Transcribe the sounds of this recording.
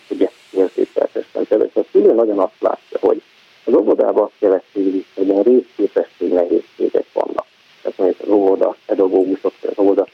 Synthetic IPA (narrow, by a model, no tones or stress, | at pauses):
oɟɛ | eːrzḛːtɛ̰lt̪ɛ̰ʃɛ̰mkɛvɛ̰ʃɛkyløːnːɒɟonɒst̪la̰ːcːɒho̞̰ɟ | ɒzovod̪a̰ːbɒɒst̪̚kɛvɛst̪iisɛɟiɛnreːskeːpɛʃːeːɡnɛɦeːʃːḛːɡɛ̰kʋɒ̰nːʔɒk | t̪ɛt̪monit̪ɒzovod̪ɒpɛd̪ɒɡoːɡuʃo̞kʋɔɟɒ̰zovod̪ɒ